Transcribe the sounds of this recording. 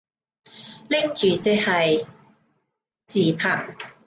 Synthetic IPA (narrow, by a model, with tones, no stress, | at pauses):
lɪ˥k̚t͡ʃyː˨t͡sɪ˧˥k̚hɐ˨j | t͡siː˨˩pʰɐ˨˩ŋ